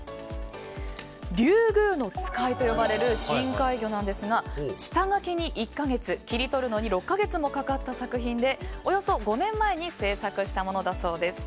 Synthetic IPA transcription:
ɾʲɨːɡɯ̟ːno̞t͡sɨ̥kait̪o̞jo̞baɾe̞ɾɯ̟ɕĩŋkaiɡʲo̞nãnd̪e̞sɨɡaɕi̥t̪aŋake̞ɲ̟iʔikːaɡe̞t͡sɨkʲiɾʲit̪o̞ɾɯ̟no̞ɲ̟iɾo̞kːaɡe̞t͡sɨmo̞kakat̪ːasakɯ̟çĩnd̪e̞o̞jo̞so̞ɡo̞nẽ̞mːae̞ɲ̟ise̞ːsakɯ̟ɕi̥t̪amo̞no̞d̪aso̞ːd̪e̞sɨ̥

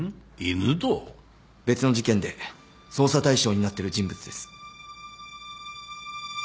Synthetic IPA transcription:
inɨd̪o | be̞t͡sɨno̞ʑikẽ̞nd̪e̞ | so̞ːsat̪aiɕo̞ːɲ̟inat̪ːe̞ɾɯ̟d͡ʑĩmbɯt͡sɨd̪e̞sɨ̥

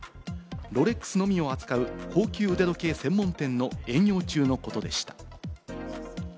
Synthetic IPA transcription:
ɾo̞ɾe̞kːɯ̥sɨno̞mʲio̞at͡sɨ̥kaɯ̟kʰo̞ːkʲɨːɯd̪ed̪o̞ke̞ːsẽ̞mːõ̞nt̪ẽ̞nːo̞ẽ̞ɰ̃jo̞ːt͡ɕɨːno̞ko̞t̪o̞d̪e̞ɕi̥t̪ḁ

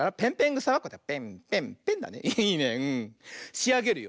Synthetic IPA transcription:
aɾapẽ̞mpẽŋɡɯ̟saβakːot̪ːepẽmpẽmpẽ̞nd̪a̰nḛʔiiːnẽɯ̟̃ɕiaɡe̞ɾɯ̟jo

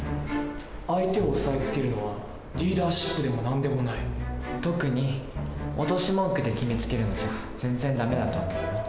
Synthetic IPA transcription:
ait̪e̞osaet͡sɨ̥ke̞ɾɯ̟no̞βa | ɾʲiːd̪aːɕi̥pːɯ̟d̪e̞mo̞nãnd̪e̞mo̞nait̪o̞kɯ̟ɲ̟i | ot̪o̞ɕimõ̞ŋkɯ̟d̪e̞kʲimet͡sɨ̥ke̞ɾɯ̟not͡ɕiɡa | z̥ẽ̞nd͡zẽ̞nd̪ame̞d̪at̪o̞ːmo̞im

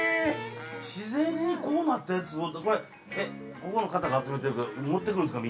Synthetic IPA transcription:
ɕizẽɲ̟ːiko̞ːnat̪ːajat͡sɨot̪ːko̞ɾe | e | koko̞no̞kat̪aɡaːt͡sɨme̞t̪̬eɾɯkaomot̪ːekɯɾɯ̃nsɨkami

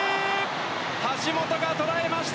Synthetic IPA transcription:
haɕimo̞t̪o̞ɡat̪o̞ɾae̞maɕi̥t̪

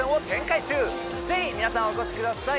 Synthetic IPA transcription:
ẽɰ̃o̞t̪ẽ̞ŋkait͡ɕɨː | d͡ze̞çʲimʲinasãɰ̃oko̞ɕi̥kɯd̪asa

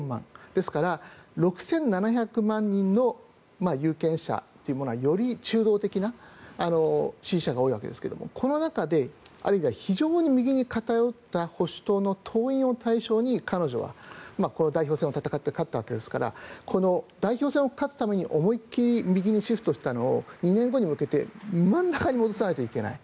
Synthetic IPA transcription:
mã̰ŋd̪̥e̞sɨ̥kaɾaɾo̞kɯ̟̥sẽ̞nːanaçʲakɯ̟mãɲ̟ːĩnːo̞ | majɯ̟ːkẽ̞ɰ̃ɕa̰t̪ːo̞jiɯ̟mo̞noajo̞ɾʲit͡ɕɨːd̪o̞ːt̪e̞kʲinaano̞ɕĩɰɕaɡao̞ːiβa̰ke̞d̪e̞sɨ̥ke̞d̪o̰mo̰kʰo̞no̞nakad̪e̞a̰ɾɯ̟imʲiβaçiʑo̞ːɲ̟imʲiɡʲiɲ̟ikat̪ajo̞t̪ːaho̞ɕi̥t̪o̞ːno̞t̪ʰo̞ːĩo̞t̪ʰaiɕo̞ːɲ̟ikʰano̞ʑo̞̰βa̰mako̞no̞d̪aiço̞ːsẽot̪at̪akat̪ːekat̪ːaβake̞d̪e̞sɨ̥kaɾa̰kʰo̞no̞d̪aiçoːsẽ̞o̞kat͡sɨ̥t̪ame̞ɲ̟iʔo̞mo̞ikʲːiɾʲimʲiɡʲiɲ̟iɕiɸɯ̥t̪oɕi̥t̪ano̞̰ːɲ̟inẽ̞ŋɡo̞ɲ̟imɯ̟ke̞t̪e̞̰mãnːakaɲ̟imo̞d̪o̞s̬anait̪oike̞na̰i

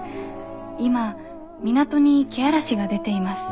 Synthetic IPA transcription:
ima | mʲinat̪o̞ɲ̟ikʲeaɾaɕiɡad̪e̞t̪e̞imasɨ̥

